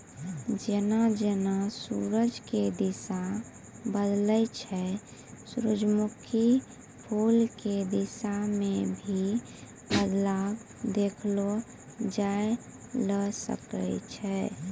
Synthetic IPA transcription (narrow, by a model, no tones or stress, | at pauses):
d͡ʒenad͡ʒenasṵɾəd͡ʒked̪isa | bəd̪ləjt͡ʃʰɛ | sɾud͡ʒmukʰi | pʰulked̪isamẽbʱi | bəd̪lab | d̪ekʰlo | d͡ʒae | ləsə̰kə̰t͡ʃʰɛ